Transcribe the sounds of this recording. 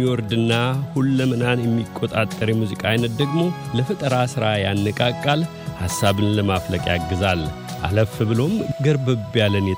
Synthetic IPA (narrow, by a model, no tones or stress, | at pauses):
iwɔɾd̪ɨnːahulːəmənanjɛmːikʼːot̪ʼat̪ʼːəɾjɛmuzikʼaajnːət̪̚d̪əɡmo̞ləfət̪ʼəɾasɨɾajanːɨkʼakʼːal | hasːaβɨnləmafləkʼaɡːɨzal | ʔa̰ləfɨbɨlo̞mɡəɾbəbjalːənjɛ